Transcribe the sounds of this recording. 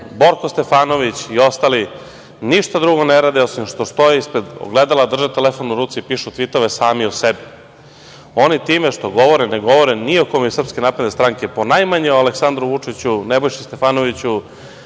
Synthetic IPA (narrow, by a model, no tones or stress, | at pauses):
bo̞ɾkost̪e̞faːno̞ʋit͡ɕio̞st̪ali | niʃt̪ad̪ɾuɡo̞neɾaːd̪ɛosimʃt̪o̞st̪o̞jeispɾed̪o̰ɡled̪alad̪r̩ʒet̪elefonuɾuːt̪sipiʃut̪ʋit̪oʋesaːmiusebi | o̞nit̪iːmeʃt̪o̞ɡo̞ʋo̞ɾɛneɡo̞ʋo̞ɾɛnio̞komeusr̩pskenaːpɾe̞d̪est̪ɾaŋkeponajmaɲeoaleksand̪ɾuʋut͡ʂit͡ɕunebojʃist̪e̞fanoʋit͡ɕu